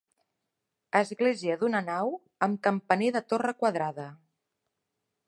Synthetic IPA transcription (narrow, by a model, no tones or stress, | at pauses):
əzɣleziəðunənaw | əmkəmpəneðət̪orəkwəðɾaðə